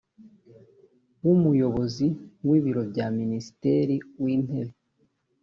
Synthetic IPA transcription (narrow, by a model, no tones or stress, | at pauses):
wumujo̞βo̞ziwiːβiɾo̞bjaminisi̥teɾiwiːn̥he̞βe